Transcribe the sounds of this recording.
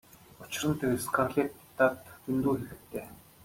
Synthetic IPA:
ʊ̥t͡ɕɪ̆rə̆nt̪ʰɵskʰɔrɮek̚tt̪ːaːt̪ːɵnt̪uːxexɘ̆kt̪ʰeː

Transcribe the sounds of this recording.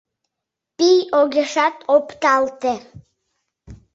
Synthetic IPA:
pijoɡʲeʃɑt̪opt̪ɑlˠt̪e

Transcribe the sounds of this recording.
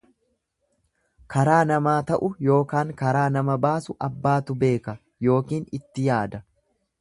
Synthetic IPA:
kɐɾaːnɐmaːt̪ɐʔʊjo̞ːkaːŋkɐɾaːnɐmɐbaːsʊʔɐbːaːt̪ʊbe̞ːkɐ | jo̞ːkiːnɪt̪ːɪjaːd̪ɐ

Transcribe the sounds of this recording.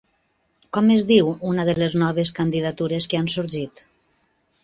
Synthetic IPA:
kɔmezðiwunaðeleznɔβeskand̪iðat̪uɾeskeansuɾʒit̪

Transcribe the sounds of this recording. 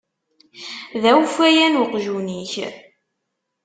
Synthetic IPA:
ðæwfæjænəqʒuniç

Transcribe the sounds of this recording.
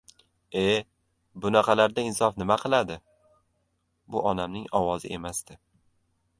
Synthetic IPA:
e | bʊnɑqʰɑlaɾd̪aɪnsɒfnɪmaqʰɨlˠad̪ɪ | bʊʔɒnamnɪŋɒwɒzɪ̰ʔe̞masd̪ɪ

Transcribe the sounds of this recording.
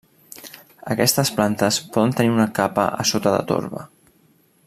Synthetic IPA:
əkɛst̪əsplant̪əspɔðənt̪əniunəkapə̰ʔəsot̪əðə̰t̪o̰ɾβə̰

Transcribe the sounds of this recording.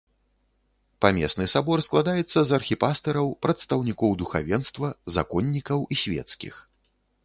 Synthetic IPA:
pamʲɛsnɨsabɔrsklˠad̪ajɛt̪sːɐzɐrxʲipast̪ɛɾɐwpɾɐt̪st̪ɐwnʲikɔwd̪uxa̰vʲɛnst̪vɐza̰kɔnʲːikɐwʔisʲvʲɛ̰t̪skʲḭx

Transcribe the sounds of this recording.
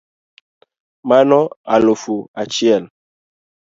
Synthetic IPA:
manɔalofuat͡ʃiɛl

